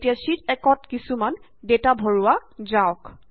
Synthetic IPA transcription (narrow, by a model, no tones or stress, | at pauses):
tijasitɛkɔtkisuman | detabʱɔɹuazaʊk